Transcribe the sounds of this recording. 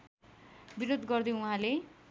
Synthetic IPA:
biɾod̪ɡʌrd̪iuɦãle

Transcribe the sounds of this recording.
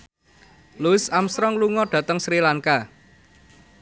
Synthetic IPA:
luɪsamsɾɔŋluŋɔɖ̥ä̤t̪əŋsɾilaŋka

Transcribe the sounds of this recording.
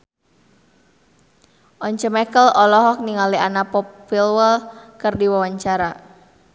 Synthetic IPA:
ʔɔɲt͡ʃəmɛkəlɔlɔɦɔk̚niŋalianapɔpfilwəlkɨrdiwawaɲt͡ʃaɾa

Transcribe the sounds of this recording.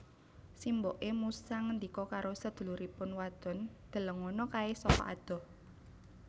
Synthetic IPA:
simboʔemusaŋənd̪ikɔkaɾosəd̪̥ṳluɾipʊnwad̪̥ɔ̤nd̪̥ə̤ləŋɔnɔkaesɔkɔ̰ʔa̰d̪̥ɔ̤h

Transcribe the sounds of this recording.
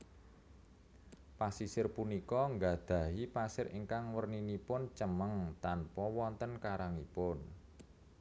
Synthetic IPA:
pasisɪrpunikɔŋɡad̪̥ä̤ɦipasɪɾḭŋkaŋwərninipʊnt͡ʃəməŋt̪anpɔwɔnt̪ənkaɾaŋipʊn

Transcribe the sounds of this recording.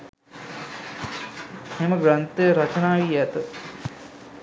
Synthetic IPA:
hemɐɡɾɐnt̪ɐɾɐt͡ʃɐnaːʋijɐt̪ɐ

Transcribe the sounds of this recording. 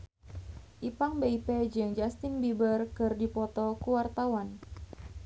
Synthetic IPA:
ʔipaŋbeipɛd͡ʒɨŋd͡ʒast̪ɪnbibərkɨrdipɔt̪ɔkuwart̪awan

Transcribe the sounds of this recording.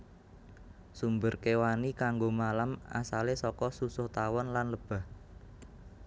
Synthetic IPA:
sumbərkewanikaŋɡomalama̰salesɔkɔsusʊht̪awɔnlanləb̥a̤h

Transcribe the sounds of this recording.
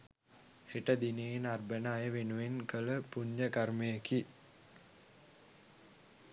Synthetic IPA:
heʈəd̪inenarbənaːjəʋenuʋenkələpuɲːəkaɾmejəki

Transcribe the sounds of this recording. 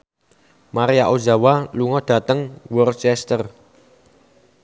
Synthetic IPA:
maɾijaʔod͡ʒa̤waluŋɔd̥ä̤t̪əŋwɔrt͡ʃɛst̪ər

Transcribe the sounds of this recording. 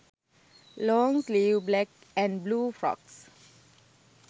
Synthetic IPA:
lɔ̃ŋsliblɛk̚ | ɛ̃nblufɹɔ̰ks

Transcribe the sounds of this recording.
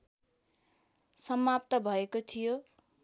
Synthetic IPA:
sʌmap̚t̪ʌbʱʌekot̪ʰijo

